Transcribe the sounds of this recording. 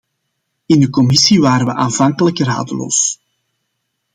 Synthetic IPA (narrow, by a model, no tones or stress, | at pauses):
ɪndəkɔmɪsiʋaːɾəʋəʔaːnvɑŋkələkra̰ːdəlo̰ːs